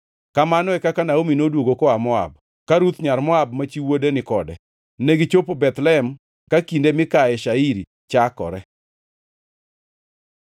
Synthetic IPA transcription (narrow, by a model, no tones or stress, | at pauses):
kamanɔɛkakanaominodwoɡokɔamɔa̰b̚ | kaɾut̪ɲaɾmɔab̚mat͡ʃiwodenɪkɔdɛ | neɡit͡ʃopobɛt̪lɛɛm | kakindemɪkaɛʃaiɾi | t͡ʃakɔ̰ɾɛ